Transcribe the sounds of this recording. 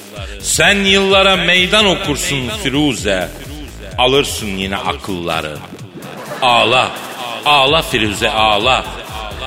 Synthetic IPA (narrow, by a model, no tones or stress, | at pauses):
sænjɯlˠːaɾamejd̪ano̞kʰuɾsunfiɾuzɛ | alˠɯɾsɯnjinɛ̰ʔa̰kʰɯlˠːa̰ɾɯ̰ | aːlˠa | aːlˠafiɾuːzɛʔaːlˠa